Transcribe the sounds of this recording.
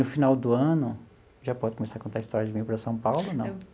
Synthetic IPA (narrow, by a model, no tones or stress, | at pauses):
nʊfinawd̪ʊɐ̃nʊ | ʒapɔd̪ʊkõmesaɾkõnt̪aɪist̪ɔɾjɐd͡ʒɪmĩɲʊpɾɐsɐ̃w̃pawlʊnɐ̃